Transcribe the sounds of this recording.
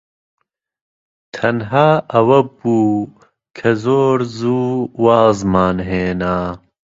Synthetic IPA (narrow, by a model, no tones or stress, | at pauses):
t̪ʰɐnɦaːɐwɐbuː | kʰɐzoːɾzuːwaːzmaːnɦeːnaː